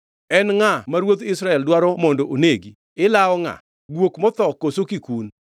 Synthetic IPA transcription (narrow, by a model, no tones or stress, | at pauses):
ɛnŋamaɾwot̪ɪsɾaɛldwaɾɔmɔndoʔoneɡi | ɪlaɔŋa̰ | ɡwokmɔt̪ɔkosokikun